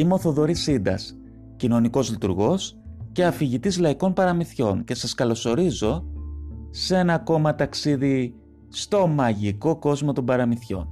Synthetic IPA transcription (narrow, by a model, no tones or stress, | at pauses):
imo̞θo̞ðo̞ɾisind̪ɐ̰s | cino̞niko̞zlit̪ṵɾɣo̞s | ce̞ɐfiʝit̪izlɐiko̞npɐɾɐmiθço̞nce̞sɐskɐlo̞so̞ɾizo̞ | se̞nɐko̞mɐt̪ɐksiði | st̪o̞mɐʝiko̞ko̞zmo̞t̪o̞mbɐɾɐmiθço̞̰n